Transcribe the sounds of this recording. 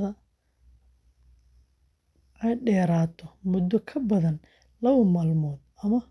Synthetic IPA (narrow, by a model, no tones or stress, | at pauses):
ðɐ | ʔɛjɖɛːɾaːt̪ʰɔmʊd̪ɔkʰɐbɐðɐn | lɐwɐmaːlmɔːd̪ɐmɐ